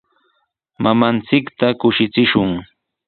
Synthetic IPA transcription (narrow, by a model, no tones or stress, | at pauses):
mamant͡sɪkt̪akʊʃɪt͡sɪʃʊŋ